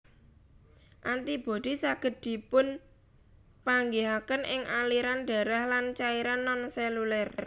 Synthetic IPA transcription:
ʔant̪ib̥o̤d̪̥i̤saɡ̥ə̤t̪̚d̪̥i̤pʊn | paŋɡiɦakənʔɪŋʔaliɾanɖ̥a̤ɾahlant͡ʃaiɾanːɔnsɛlulɛr

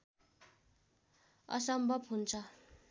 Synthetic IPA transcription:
ʌ̰sʌmbʱʌbɦunt͡sʰʌ

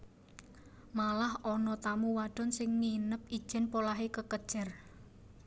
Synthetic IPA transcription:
malahɔnɔt̪amuwaɖ̥ɔ̤nsɪŋninəp̚id̥ʒ̥ɛ̤npolaɦekəkəd̥ʒ̥ə̤r

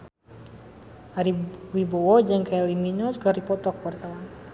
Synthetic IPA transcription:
ʔaɾiwibɔwɔd͡ʒɨŋkaɛliminɔsɡaɾipɔt̪ɔkuwart̪awan

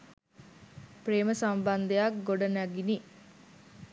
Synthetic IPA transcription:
preːməsamband̪ejakɡoɖɐnæɡini

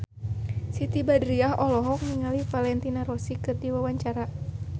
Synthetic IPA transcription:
sit̪ibadɾiaɦɔlɔɦɔk̚miŋalifalɛnt̪inaɾɔsikɨrdiwawaɲt͡ʃaɾa

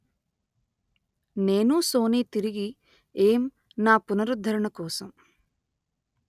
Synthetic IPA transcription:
ne̞ːnuso̞ːniːt̪iɾiɡi | eːm | naːpunɐɾud̪ʱɐɾɐɳɐkɔːsɐm

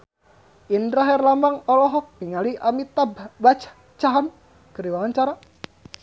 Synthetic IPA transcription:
indɾaɦɛrlamaŋɔlɔɦɔk̚piŋaliʔamit̪abat͡ʃḁ | t͡ʃaɦan | kəɾiwawaɲt͡ʃaɾa

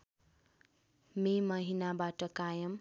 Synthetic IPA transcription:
memʌɦinabaʈʌkajʌm

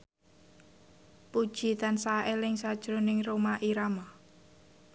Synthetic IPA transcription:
pud̥ʒ̥i̤t̪ansaʔelɪŋsad̥ʒ̥ɾonɪŋromaʔiɾama

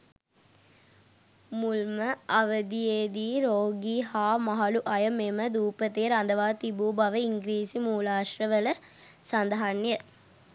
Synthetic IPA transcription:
mulməɐʋəd̪ijeːd̪iːɾoːɡiɦaːmaɦaluʔɐjəmeməd̪uːpət̪eːɾand̪əʋaːt̪ibuːbɐʋəiŋɡɾiːsimuːlaːʃɾəʋələ | sand̪əɦanjə

